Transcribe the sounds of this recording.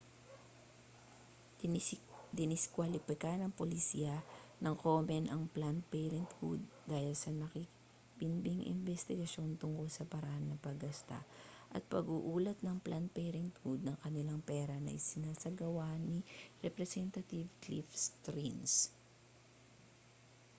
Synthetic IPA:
d̪ɪnɪskwalɪpɪkanɐŋpolɪsiːɐnɐŋkomɛnʔɐŋplanpɛɾɛnt̪fṵd̪̚ːaːhɪlsɐnɐki | bɪnbiŋʔɪ̰nbɛst̪ɪɡɐʃjo̞nt̪ʊŋkolsɐpɐɾɐʔanːɐpɐɡɐst̪a̰ʔɐ̰t̪̚pɐɡuʔuːlɐt̪̚nɐŋplʔanpɛːɾɛnt̪hud̪̚nɐŋkɐnɪlaŋpɛːɾɐnɐ̰jsɪnaːsɐɡɐwaniɾɛpɾɛsɛnt̪ɐt̪ivklifst̪ɾins

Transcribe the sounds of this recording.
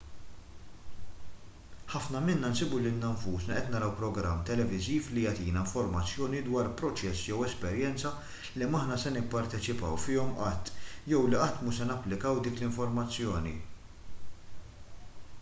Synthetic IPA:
ħɐfnɐmɪnːɐnsɪbuliɪnːɐɱfuːsnɐʔɛt̪nɐɾɐwpɾɔɡɾɐmːt̪ɛlɛvɪziːflijɐt̪iːnɐɪɱfɔɾmɐt͡sːjɔːnid̪wɐːɾpɾɔt͡ʃɛsːjɛwɛspɛɾjɛnt͡sɐ | lɛːmɐħnɐsɛnɪpːɐɾt̪ɛt͡ʃɪpɐ̰wfɪːɔmʔɐt̪ːjɛwliʔɐt̪ːmuʃsɛnɐpːlɪkɐwd̪iːklɪɱfɔɾmɐt͡sːjɔːnḭ

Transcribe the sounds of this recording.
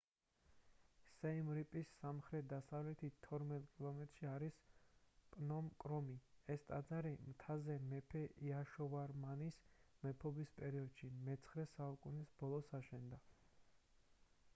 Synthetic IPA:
sɛimɾipʼisːamχɾɛt̪̚d̪asavlɛt̪ʰit̪ʰːɔɾmɛt̪ʼkʼilˠɔmɛt̪ʼɾʃiaɾis | pʼnɔmkʼɾɔmiɛst̪ʼad̪zaɾimt̪ʰazɛmɛpʰɛiaʃɔvaɾmanismɛpʰɔbispʼɛɾiɔd̪ʃimɛt̪sʰχɾɛsaukʼunisbɔlˠɔsaʃɛnd̪a

